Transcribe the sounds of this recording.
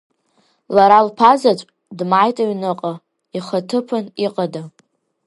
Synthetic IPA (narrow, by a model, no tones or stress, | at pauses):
laɾalpʰazat͡ʃʷʼ | dmajtʼaɥnɨqʼa | iχatʰɨpʰɨniqʼada